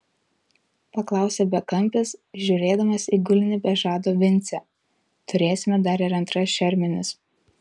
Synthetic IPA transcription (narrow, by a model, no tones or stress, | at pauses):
pɐklˠɑˑʊsʲɛbʲɛkɐmʲˑpʲɪsʒʲʊːɾʲeːd̪ɐmɐsiːɡʊlʲɪnʲɪbʲɛʒɑːd̪oːʋʲɪnʲˑt̪sʲɛ | t̪ʊɾʲeːsʲɪmʲɛd̪ɐɾɪɾɐnt̪ɾɐsʃʲɛɾʲmʲɪnʲɪs